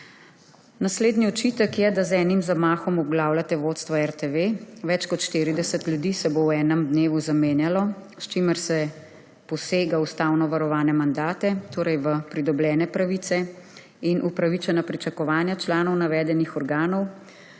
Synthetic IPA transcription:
nasleːd̪niɔt͡ʃit̪əkjɛd̪azɛːnimzamaːxɔmɔbɡlaːwlat̪ɛʋot̪st̪ʋaɛɾt̪eʋeʋɛt͡ʃkɔt̪ʃt̪iːɾid̪ɛsət̪ljud̪iːsɛbowɛːnɛmd̪neːʋuzameːnjalɔ | st͡ʃiːməɾsɛ | pɔseːɡaust̪aːwnɔʋaɾɔʋaːnɛmand̪aːt̪ɛt̪oːɾɛjʋəpɾid̪ɔbljɛːnɛpɾaʋit̪sɛ | inʔupɾaʋit͡ʃɛnapɾit͡ʃakɔʋaːnjat͡ʃlaːnɔwnaʋɛːd̪ɛnixɔɾɡaːnɔw

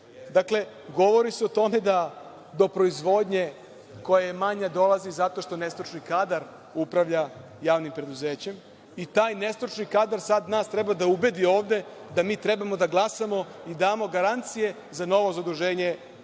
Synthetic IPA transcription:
d̪akle̞ | ɡo̞ʋo̞ɾiseot̪o̞me̞d̪a | d̪o̞pɾo̞izʋo̞d̪ɲe̞ | ko̞jajemaɲad̪o̞lˠazizat̪o̞ʃt̪o̞ne̞st̪ɾot͡ʃnikaːd̪aɾ | upɾaʋʎa | jaːʋnimpɾe̞d̪uzeːt͡ɕe̞m | it̪aːjne̞st̪ɾot͡ʃnikaːd̪aɾsad̪naːst̪ɾebad̪aube̞d̪io̞ːʋd̪e̞ | d̪amiːt̪ɾe̞bamo̞d̪aɡlˠasamo̞id̪aːmo̞ɡaɾant̪sije̞ | zano̞ʋo̞zad̪ɾuʒe̞ːɲe̞

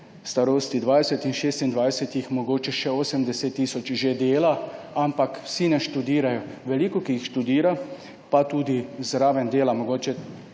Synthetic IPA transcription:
st̪aɾoːst̪id̪ʋajsɛt̪inʃeːst̪ind̪ʋajsɛt̪ixmɔɡoːt͡ʃɛʃɛoːsɛmd̪ɛset̪ːiːsɔt͡ʃʒed̪eːlaampakwsinɛʃt̪ud̪iːɾajɔʋɛliːkɔkiixʃt̪ud̪iːɾa | pat̪uːd̪izɾaːʋɛnd̪eːlamɔɡoːt͡ʃɛ

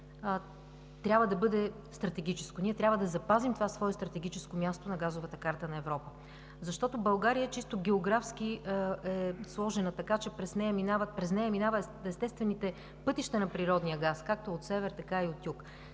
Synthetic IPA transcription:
t̪ɾʲabvəd̪ɐbɤd̪ɛ | st̪ɾɐt̪ɛɡ̟ʲit͡ʃɛskoniɛt̪ɾʲabvəd̪ɐzɐpazimt̪ovasvɔɛst̪ɾɐt̪ɛɡ̟it͡ʃɛskomʲjast̪onɐɡazʊvət̪əkaɾt̪ənɐɛvɾɔpə | zɐʃt̪ɔt̪obɐlˠɡaɾijət͡ʃist̪oɡʲɛoɡɾafsk̟iɛslˠɔʒɛnət̪ɐkat͡ʃɛpɾɛsnɛjəminavəpɾɛsnɛjəminavə | ɛst̪ɛst̪vɛnit̪ɛ | pɤt̪iʃt̪ɐnɐpɾiɾɔd̪nijəɡaskak̚t̪oot̪sɛvɛɾt̪ɐkaiot̪juk

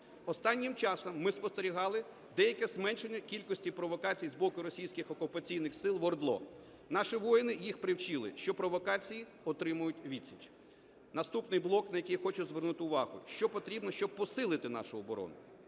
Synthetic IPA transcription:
ɔst̪ɑnʲːimt͡ʃɑsɐmːɪspɔst̪eɾʲiɦɑlˠɪ | d̪ɛjɐkɛzmɛnʃenʲːɐkʲilʲkɔsʲtʲipɾɔʋɔkɑt͡sʲijzbɔkʊɾɔsʲijsʲkɪxɔkʊpɐt͡sʲijnɪxsɪlˠʋɔrd̪lˠɔ̰ | nɑʃiʋɔjɪnɪjixpɾɪwt͡ʃɪlˠɪ̰ʃt͡ʃɔpɾɔʋɔkɑt͡sʲiji | ɔt̪ɾɪmʊjʊtʲʋʲit͡sʲit͡ʃ | nɐst̪upnɪjblˠɔknɐjɐkɪjxɔt͡ʃʊzʋernut̪ɪʊʋɑɦʊ̰ʃt͡ʃɔpɔt̪ɾʲibnɔʃt͡ʃɔb̚pɔsɪlˠɪt̪ɪnɑ̰ʃʊɔbɔɾɔ̰nʊ

